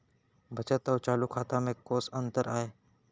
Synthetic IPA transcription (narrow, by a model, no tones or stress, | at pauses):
bʱət͡ʃət̪ɔːɾt͡ʃaːlukʰaːt̪ãmẽkoːsənt̪əɾaːeː